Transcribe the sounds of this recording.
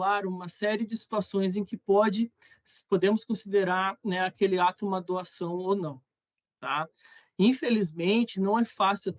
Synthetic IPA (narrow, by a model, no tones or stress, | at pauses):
aɾũmɐsɛɾɪɪd͡ʒɪsi̥t̪uasõj̃z̬ẽkɪpɔd͡ʒɪ | spod̪ẽmʊskõsid̪eɾaɾnɛakelɪat̪ʊumɐd̪oasɐ̃w̃ownɐ̃w̃ | t̪a | ĩfelizmẽnt͡ʃɪnɐ̃w̃ɛfasɪ